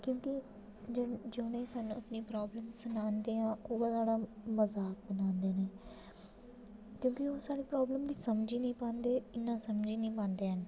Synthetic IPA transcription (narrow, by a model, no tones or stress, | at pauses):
kjõːkɪ | d͡ʒɪd͡ʒeʊnẽːsaːnːũːəpniːpɾaːbləmsənaːnd̪eːɦãːoːãːsaːɽaːməzaːk̚bənãːnd̪eːneː | kjõːkɪoːsaːɽeːpɾaːbləmd̪iːsəmd͡ʒiːnəĩːpãːnd̪eːɪnːãːsəmd͡ʒiːnəĩːpãːnd̪eːɦən